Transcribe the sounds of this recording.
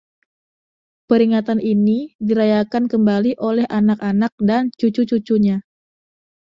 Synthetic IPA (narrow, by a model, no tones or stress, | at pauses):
pəɾiŋat̪aninidiɾajakankəmbaliʔolɛɦʔanakanak̚dant͡ʃut͡ʃut͡ʃut͡ʃuɲa